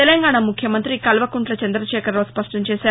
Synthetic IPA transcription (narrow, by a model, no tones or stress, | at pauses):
elɐŋɡaːɳamukʰjɐmɐnt̪ɾikɐlʋɐkuɳʈlɐt͡ʃɐnd̪ɾɐʃɛːkɐɾoːspɐʂʈɐɲt͡ʃɛːsaː